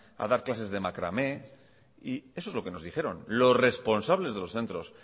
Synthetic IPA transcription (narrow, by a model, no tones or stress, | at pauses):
a̰ðaɾklase̞zðe̞makɾa̰me̞ | ie̞soezlo̞ke̞no̞zðixe̞ɾo̞nlo̞sre̞spo̞nsaβle̞zðe̞lo̞sθe̞nt̪ɾo̞s